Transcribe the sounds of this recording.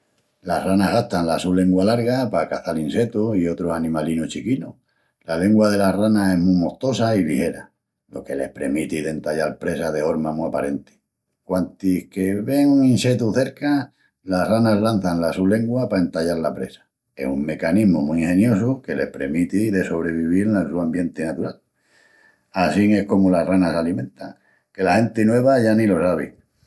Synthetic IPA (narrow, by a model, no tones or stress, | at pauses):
lahranaɦɣaht̪anlasulːe̞ŋɡwalaɾɣapakaθalinse̞t̪uio̞t̪ɾosanĩmalinuht͡ʃikinu | lale̞ŋɡwað̞e̞laranae̞ɦmumo̞ht̪o̞sailihe̞ɾa | lo̞̰ke̞le̞hpɾe̞mit̪iðe̞nt̪aʎalpɾe̞saðefo̞ɾmamuiapaɾe̞nt̪i̥ | kwant̪ihke̞βe̞ŋuŋĩnse̞t̪uθe̞ɾka | laranazlanθaŋlasule̞ŋɡwapae̞nt̪aʎaɾlapɾe̞̰sḁ | e̞̰shuŋme̞kaniɦmumuiŋhẽ̞njo̞s̬uke̞le̞̰hpɾemit̪iðe̞so̞β̞ɾe̞βiβiɾnansuambje̞nt̪enat̪uɾal | asiŋe̞hko̞mularanasalimẽ̞nt̪aŋ | ke̞lahe̞nt̪inwe̞β̞aʝanilo̞saβḭ